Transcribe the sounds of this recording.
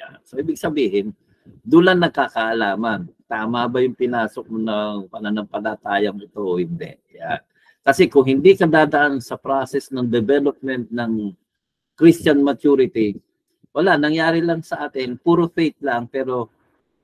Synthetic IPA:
ja̰nsoʔiːbɪɡ̚sɐbiːhɪn | d̪ulɐnːɐɡ̚kakɐʔɐlaːmɐnt̪aːmabɐjʊŋpɪnaːsok̚monɐŋpɐnɐnɐmpɐlɐt̪aːjɐŋɪt̪o̞hɪnd̪ɛ̰ʔja̰n | kɐsɛkʊŋɦɪnd̪ikɐd̪aːd̪ɐʔansɐpɾasɛsnɐŋd̪ɛbɛlop̚mɛnt̪̚nɐŋ | kɾist͡ʃɐnmɐt͡ʃuɾɪt̪i | wɐlaʔnɐŋjaːɾɪlɐŋsɐʔaːt̪ɪnpuːɾofejt̪̚laŋpɛːɾo̞

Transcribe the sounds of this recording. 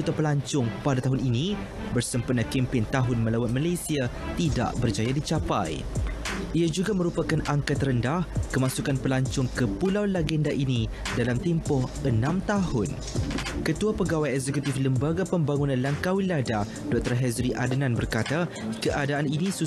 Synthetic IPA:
ut̪apəlaɲt͡ʃʊŋpadat̪aɦʊninĩ | bərsəmpənãkɛmpɪnt̪aɦʊnmə̃lawat̪̚malajsia | t̪ida̰ʔbərt͡ʃajadit͡ʃapa̰j | ʔiad͡ʒuɡamə̃ɾupakanaŋkat̪rəndahkəmãsukanpəlaɲt͡ʃʊŋkəpulawlaɡɛndaʔini | dalamt̪ɛmpʊhənãmt̪ahʊn | kət̪uapəɡawajɛk̚zɛkut̪ifləmbaɡapəmbaŋunãnlaŋkawilːada | dɔk̚t̪ɔrɦɛzɾiʔa̰dənãnbərkat̪a | kəʔadaaninĩsu

